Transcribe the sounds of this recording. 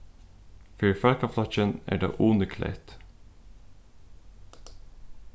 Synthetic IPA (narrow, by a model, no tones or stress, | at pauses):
fœɹfælkɑflɑt͡ʃənæ̰ːɖɑ̰ːʔuːnəkʰlḛɪt̪